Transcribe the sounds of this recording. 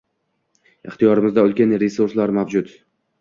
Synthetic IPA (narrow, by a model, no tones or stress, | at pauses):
ɪχt̪ijɒɾɪmɪzd̪aʊlkʲanɾesuɾslaɾmavd͡ʒʊt̪